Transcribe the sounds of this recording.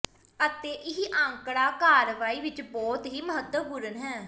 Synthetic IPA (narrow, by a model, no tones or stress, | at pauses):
ət̪eːʔɪɦiːʔə̃ŋkɽaːkaːɾʋaːiːʋɪt͡ʃbɔːt̪ɦiːməɦət̪ːəɡʊɾənɦɛː